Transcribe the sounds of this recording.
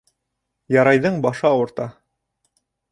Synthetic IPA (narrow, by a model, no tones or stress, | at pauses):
jɑɾɑjðɤɴbɑʃɤɑwɤ̆ɾt̪ɑ